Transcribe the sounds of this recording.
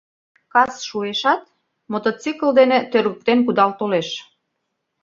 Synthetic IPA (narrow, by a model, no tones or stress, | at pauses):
kɑsʃueʃɑt̪̚ | mot̪ot͡sikəld̪enĕt̪ørɣək̚t̪enkud̪ɑlt̪oleʃ